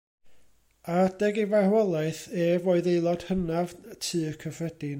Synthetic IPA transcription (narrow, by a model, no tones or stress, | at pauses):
ad̥ɛɡivahwɛlˠaɨθeːvoːɨðejlˠɔd̥hənav̥tʰɨːəkʰəvrɛd̥ɪn